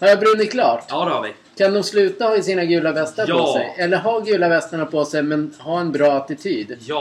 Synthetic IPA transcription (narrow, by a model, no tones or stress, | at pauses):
haɾjabɾɵnːɪkʰlɑːʈ | kʰand̪ɔmslʉ̟ːt̪ahaɪsiːnaɡʉ̟ːlavɛst̪əɾʰɔsɛ̰jɛlːəɾɦɑːɡʉ̟ːlavɛst̪əɳapʰɔsɛjmɛnɦɑːɛnbɾɑːat̪ɪt̪ʰyːd̪